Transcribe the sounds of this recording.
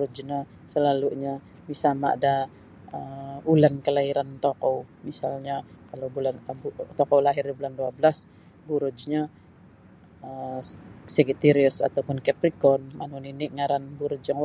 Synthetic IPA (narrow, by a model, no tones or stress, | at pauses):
bɾud͡ʒɲa | səlaluɲa | misalma̰da | əulankəlaiɾant̪okɔwmisalɲakalowbulanbt̪ɔkɔwlaɦɪribulanduabəlas | buɾʊd͡ʒɲa | ə | səɡit̪iɾiʊsa̰t̪awpʊnkɛpɾikɔnmanuniniʔŋaɾanbuɾʊd͡ʒjaŋ